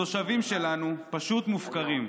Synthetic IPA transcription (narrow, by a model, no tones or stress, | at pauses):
o̞ʃavimʃe̞lanupaʃut̪mufkaʁim